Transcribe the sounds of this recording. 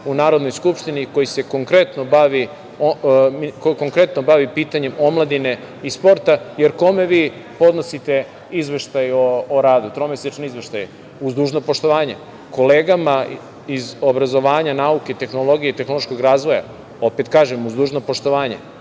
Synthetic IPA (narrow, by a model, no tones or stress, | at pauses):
unaːɾod̪no̞jskupʂt̪iniko̞jise̞ko̞ŋkɾe̞t̪nobaʋi | omikkoŋkɾet̪nobaʋipiːt̪aɲe̞mo̞mlˠad̪ine̞ | ispo̞ɾt̪ajeɾko̞me̞ʋiː | po̞d̪nosit̪e̞ | izʋeʃt̪ajoːɾaːd̪ut̪ɾomesit͡ʃnizʋeʃt̪aj | uzd̪uːʒnopoʃt̪o̞ʋaːɲe | ko̞leːɡama | izobɾazo̞ʋaːɲanaukeit̪e̞xno̞lˠo̞ɡijeit̪exnolo̞ʃko̞ɡɾaːzʋo̞ja̰ | o̞pet̪kaːʒemuzd̪uːʒnopoʃt̪o̞ʋaːɲḛ